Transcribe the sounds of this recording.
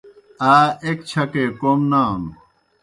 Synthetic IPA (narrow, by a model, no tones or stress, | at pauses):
aːekt͡ɕʰɐkeːkomnaːn